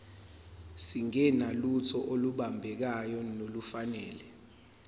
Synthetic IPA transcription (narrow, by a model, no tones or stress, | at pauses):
siŋɛnalutʰɔʔoluɓambʱɛk̬ajɔnolufanɛːlɛ